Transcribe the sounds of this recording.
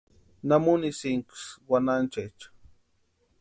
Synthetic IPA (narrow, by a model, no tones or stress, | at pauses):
namunisiŋkswanant͡ʃet͡ʃḁ